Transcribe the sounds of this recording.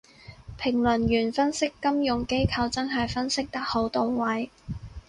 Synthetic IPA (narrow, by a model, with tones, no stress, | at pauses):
pʰɪ˨˩ŋlɵ˨˩njyː˨˩nfɐ˥nsɪ˥kːɐ˥mjʊ˨ŋke˥jkʰɐ˧wt͡sɐ˥nɦɐ˨jfɐ˥nsɪ˥k̚t̪ɐ˥k̚ho˨˥wt̪o˨wwɐ˨˥j